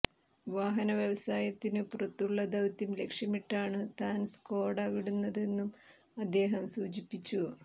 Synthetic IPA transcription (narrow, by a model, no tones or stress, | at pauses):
ʋaːɦɐnɐʋjɐʋɐsaːjɐt̪ːinɨpurɐt̪ːuɭːɐd̪ɐwt̪ːimle̞kʂɐmiʈːaːɳɨt̪aːnsko̞ːɽaːʋiɽunːɐðe̞nːum | ɐd̪ːe̞ːɦɐmsuːd͡ʑipːit͡ɕːu